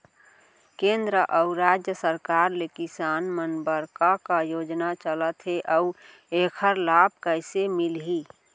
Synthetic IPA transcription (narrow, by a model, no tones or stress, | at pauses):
kẽnd̪ɾəʔəʊɾad͡ʒjəsəɾkaɾlekisanmənbəɾkakajod͡ʒnat͡ʃələt̪ɦeʔə | ekʰəɾlab̚kəɪsemilɦi